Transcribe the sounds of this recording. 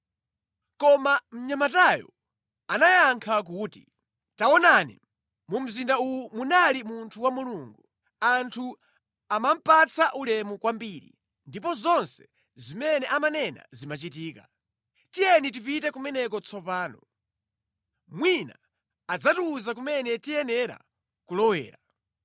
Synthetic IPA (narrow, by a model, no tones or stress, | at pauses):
kɔmam̩ɲamatajɔ̰ | anajaŋkʰak̬uːtḭ | taɔnanḭ | mum̩zindaujumunalimuntʰuwamuluːŋɡu | antʰu | amam̩pat͡sʰaʔulɛmukwambiːɾḭ | ndipɔzɔnsɛ̥ | zimɛnɛʔamanɛna̰zimat͡ʃitiːka | tijɛnit̬ipitɛkumɛnɛkɔt͡sʰɔpaːnɔ | mwina̰ | ad͡zatuːzak̬umɛnɛtijɛnɛɾa̰ | kulɔwɛ̰ːɾa